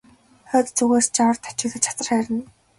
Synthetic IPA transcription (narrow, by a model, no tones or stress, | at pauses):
χœːt̪t͡suɣeːst͡ɕawə̆rt̪ʰḁt͡ɕɪ̆kxɘ̆t͡ɕʰḁt̪ə̆rχæːɾʲɪ̆n